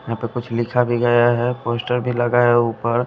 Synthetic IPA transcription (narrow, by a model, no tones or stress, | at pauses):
jɐɦãːpekʊt͡ʃʰlɪkʰabʱiɡɐjaɦɛpoːsʈəɾbʱilɐɡaɦɛupəɾ